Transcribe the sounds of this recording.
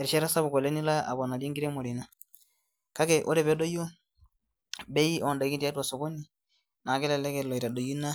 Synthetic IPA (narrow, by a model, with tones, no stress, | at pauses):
ɛ˨ɾʃɛ˦ɾa˦sa˦βu˨kɔ˨lɛ˦ni˦la˦ʔa̰˨bɔ˨na˨lji˦ŋɡiɾɛ˦mo˨ɾi˨na˨ | ka˦kɛ˨ʔo˦ɾɛ˨βɛ˦do˦jo˦ | bɛ˦i˦ɔ˨nda˨i˦ki˦ti˦a˦twa˨sɔ˨ko˦ni˨ | na˨ɡɛ˦lɛ˨lɛ˦kɛ˨lɔ˨i˨ɾa˨do˨ju˦na˦